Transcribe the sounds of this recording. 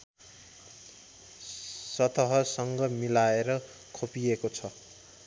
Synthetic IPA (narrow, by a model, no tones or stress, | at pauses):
sʌt̪ʌɦʌsʌŋɡʌmilaeɾʌ | kʰopiekot͡sʰʌ